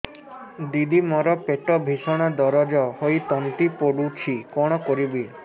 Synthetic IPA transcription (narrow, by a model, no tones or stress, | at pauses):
d̪id̪imɔɾɔpeʈɔbʱiʃɔɽ̃ad̪ɔɾɔd͡ʒɔhojt̪ɔnt̪ipoɽut͡ʃʰikɔɽ̃ɔkɔɾibi